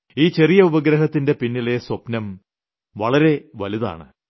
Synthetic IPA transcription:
iːt͡ɕerijɐubɐɡɾɐɦɐt̪ːinde̞pinːile̞swɐpnɐm | ʋɐɭɐɾe̞ʋɐliða̰ːɳɨ

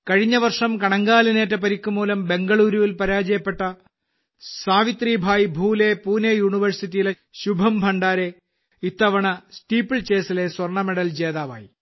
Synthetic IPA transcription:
kɐɻiɲːɐʋɐrʂɐmkɐɳɐŋɡaːlɐneːtːɐpɐɾikʲːumuːlɐmbe̞ŋɡɐɭuːɾuʋilpɐɾaːd͡ʑɐjɐpːe̞ʈːɐ | saːʋit̪riːbʱaːjibʱuːle̞puːnejuːɳiʋɐrsitːijile | ɕubʱɐmbʱɐɳɖaːɾe | it̪ːɐʋɐɳɐsʈiːpːiɭt͡ɕe̞ːsile̞swɐrɳɐmeɽɐld͡ʑe̞ːðaːʋa̰ːjḭ

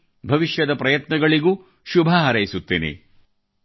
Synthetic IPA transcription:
bʱɐʋiʃjɐd̪ɐpɾɐjɐt̪nɐɡɐɭiɡuː | ʃubʱɐɦɐɾɐjisut̪ːḛːnḛ

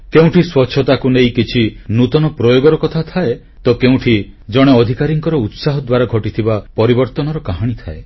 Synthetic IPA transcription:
keũʈʰiswɔtːʃʰɔt̪akunejkit͡ʃʰinut̪ɔnɔpɾɔjoɡɔɾɔkɔt̪ʰat̪ʰae | t̪ɔkeũʈʰi | d͡ʒɔɽ̃eɔd̪ʱikaɾiŋkɔɾɔut̪saɦɔd̪waɾaɡʱɔʈit̪ʰibapɔɾibɔɾt̪ɔnɔɾɔkaɦaɽ̃it̪ʰae

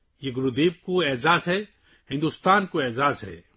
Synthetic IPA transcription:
jeɡʊɾud̪eːb̚koeːzaːzɦɛ | hɪ̃nd̪ust̪aːnkoeːzaːzɦɛ̰ː

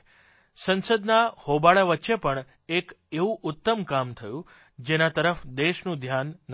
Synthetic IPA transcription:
sənsəd̪nahobaɭaʋətːʃepəɳ | ekeʋũʔʊt̪ːəmkamt̪ʰəjũ | d͡ʒenat̪əɾəfd̪eʃnũd̪ʱjanː

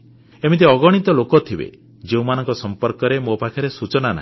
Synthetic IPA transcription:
emit̪̬iɔɡɔɽ̃it̪ɔlokɔt̪ʰibḛ | d͡ʒeũmanɔŋkɔsɔmpɔɾkɔɾemopakʰɔɾesut͡ʃɔnana̰ɦi

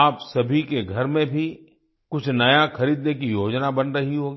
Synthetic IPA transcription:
aːpsɐbʱikeɡʱɐɾmẽbʱi | kʊt͡ʃʰnɐjaxɐɾiːd̪nekijoːd͡ʒnabɐnɾɐɦiɦoːɡiː

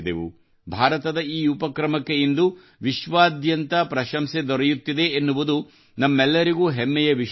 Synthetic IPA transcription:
d̪eʋṵ | bʱaːɾɐt̪ɐd̪ɐiːupɐkɾɐmɐkːejind̪u | ʋiʃʋaːd̪jɐnt̪ɐpɾɐʃɐmsed̪ɔɾɛjut̪ːid̪e̞ːnːuʋud̪u | nɐmːɛlːɐɾiɡuːɦemːɛjɐʋiʃ

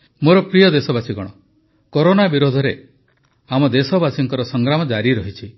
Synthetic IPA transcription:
moɾɔpɾijɔd̪esɔbasiɡɔɽ̃ɔ | koɾonabiɾod̪ʱɔɾe | amɔd̪esɔbasiŋkɔɾɔsɔŋɡɾamɔd͡ʒaɾiɾɔɦit͡ʃʰi

